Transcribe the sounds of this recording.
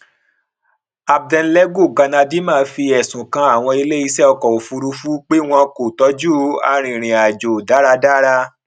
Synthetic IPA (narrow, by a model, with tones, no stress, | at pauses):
a˧b̚dɛ̃˧n̩˦lɛ˦ɡo˦˨ɡa˧nã˧di˦mã˦˨˧fi˧ɛ˨sũ˨kã˧˦a˦˨w̃ɔ̃˧i˧le˦i˧sɛ˦ɔ˧kɔ˨o˨fu˧ɾu˧fu˦k͡pe˦w̃ɔ̃˧ko˨tɔ˨˦d͡ʒu˦a̰˧ɾ̃ĩ˨ɾ̃ĩ˨a˨d͡ʒo˨da˨˦ɾa˧da˦ɾa˧